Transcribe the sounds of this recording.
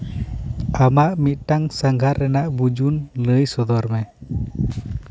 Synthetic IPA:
amaʔmiʔʈaŋsaŋɡʱaɾːɛnaʔbud͡ʒunləjsɔd̪ɔɾmɛ

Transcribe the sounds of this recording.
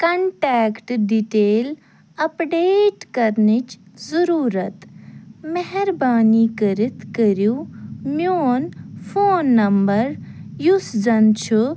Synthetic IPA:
kɐɳʈɛːkʈɖiʈeːl | ɐpɖeːʈkɐɾnit͡ʃzɐɾuːɾɐt̪mɐɦɛɾbaːniːkəɾit̪kəɾjumoːnfʰoːnːɐmbɐɾ | jusd͡zɐnt͡ʃʰu

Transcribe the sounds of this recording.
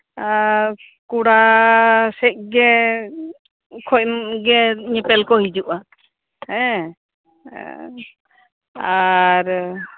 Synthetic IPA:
kuɽa | sɛʔ̚ɡɛ | kʰɔʔmɡɛɲɛpɛlkɔhid͡ʒuʔa | hɛ̃ | aɾ

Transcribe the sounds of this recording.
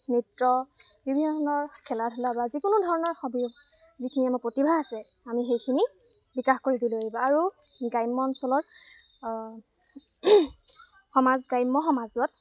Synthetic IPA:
nitɹɔbibʱinɔnɔɹkʰɛlatʰɔlabazikʊnʊdʱɔɹɔnɔɹxɔbi | zikʰiniamɔpɹotibʱaasɛ | amixejkʰini | bikaxkoɹidilaɹibɔaɹuɡajmːɔnsɔlɔɹ | xɔmazɡajmːɔxɔmazuɔt̚

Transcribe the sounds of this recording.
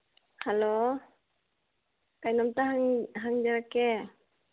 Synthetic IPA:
halo | kajnamt̪aɦaŋɦaŋd͡ʒaɾakɛ

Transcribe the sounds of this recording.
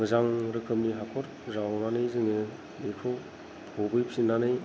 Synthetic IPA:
ŋɯzaŋɾɯkʰɯmniɦakʰɔɾ | zawnanɯjzɯŋɯ | lekʰɯw | hobɯjpʰsinanɯj

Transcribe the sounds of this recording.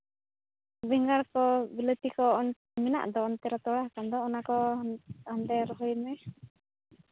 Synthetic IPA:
bɛŋɡalkɔbilet̪ikɔn | mina̰ʔd̪ɔːnt̪ɛɾat̪ɔlahkand̪ɔunakɔ | ant̪ɛɾɔɦinɛ

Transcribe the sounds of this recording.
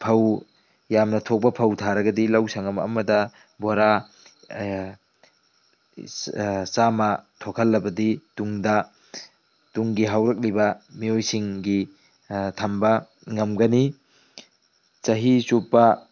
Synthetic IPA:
pʰɐw | jamnɐtʰok̚pɐpʰɐwtʰaɾɐɡɐdilɐwsɐŋɐmɐɐ̰mɐdɐ | boɾa | samɐtʰokʰɐlːɐbɐdituŋdɐ | tuŋɡiɦawɾɐk̚libɐmiojsiŋɡi | tʰɐmbɐ | ŋɐmɡɐni | t͡ʃɐɦisupːɐ

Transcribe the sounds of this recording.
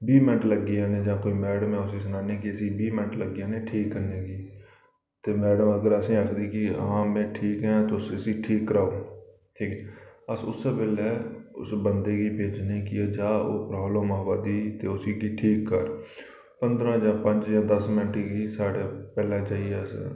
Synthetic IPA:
biːmɪnʈləɡiãːnẽːd͡ʒãːkoːiːmɛːɽəmɛ̃ːʊsiːs̬ənaːnekiəsibiːmɪ̃ʈləɡiãːneʈʰiːkːəɾneːkiː | t̪eːmɛːɖəməɡəɾəsĩːaːkʰd̪iːkiə̰ɦãːmɛ̃ːʈʰiːkɦɛ̃ːt̪oʊsɪsiʈʰiːkːəɾaːuː | ʈʰiːkɛːəsʊsebɪlɛːʊ̰sbənd̪eːkipeːd͡ʒnĩkieːd͡ʒãːo̰ːpɾɦoːlõːmaːbad̪iːt̪eːʊsiːkiːʈʰiːkːə̰ɾ | pə̃nd̪ɾãːjãːpə̃ɲd͡ʒjãːd̪əsmɪnʈikiːsaːɽepɛːlãːt͡ʃaːɦieːəs

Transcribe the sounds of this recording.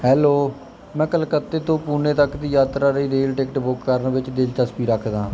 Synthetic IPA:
ɦɛːloː | mɛ̃ːkəlkət̪ːeːt̪õːpuːneːt̪əkd̪iːjaːt̪ɾaːɾiːɾeːlʈeːkʈbʊkːəɾnʋɪt͡ʃd̪ɪlt͡ʃəspiːɾəkʰd̪ãː

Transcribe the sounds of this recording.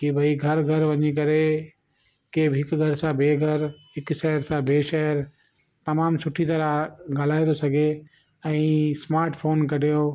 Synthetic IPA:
kibʱɐiɡʱɐɾɡʱɐɾʋɐɲik̬ɐɾe | keːbɦɪkɡʱɐɾsãbʱeːɡʱɐɾɦɪkʃɛɦəɾsãbʱeːʃɐɦəɾ | t̪ɐmaːmsʊʈʰit̪ɐɾaɡaːl̤aːid̪osɐɡʱe | ɛ̃ːsmaːɾʈfʰoːnkɐɾ̤ijoː

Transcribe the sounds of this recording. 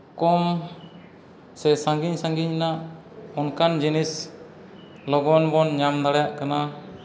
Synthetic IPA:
kɔm | sɛsãŋɡiɲsãŋɡiɲna | ɔnkand͡ʒinis | lɔɡɔnbɔnɲamd̪aɽajaʔkana

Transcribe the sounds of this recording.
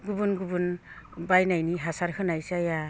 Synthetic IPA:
ɡubɯnɡubɯnbajnajniɦasaɾhɯnajsaja

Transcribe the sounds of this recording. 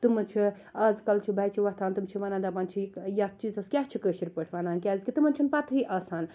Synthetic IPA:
t̪umɐnt͡ʃʰi | ɐzkɐlt͡ʃʰibʱaːjt͡ʃʰiʋɐɦt̪ʰaːnt̪umt͡ʃʰiʋanaːnd̪apaːnt͡ʃʰijat͡ʃizɐskʲaːɦt͡ʃʰikəʃiɾʲpəʈʰʋaːnaːnkʲazkʲit̪ɨmɐnt͡ʃʰinpat̪ʰɦiʔɐsaːn

